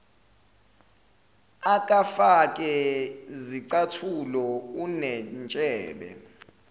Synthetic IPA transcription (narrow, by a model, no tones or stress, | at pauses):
ak̬ʼafak̬ʼɛziǀatʰulɔunɛnt͡ʃʼɛːɓɛ̰